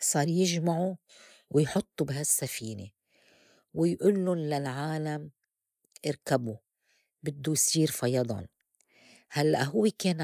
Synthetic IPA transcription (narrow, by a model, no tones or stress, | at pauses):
sˤɑːɾˤjɪʒmaʕu | wɪjħʊt̪ˤːubɪɦasːafiːnḛ | wɪjʔulːʊnlalʕaːlam | ʔɪɾkabu | bɪd̪ːujsˤiːɾfɑjɑd̪ˤɑ̰n | halːa̰ʔɦʊwːekeːn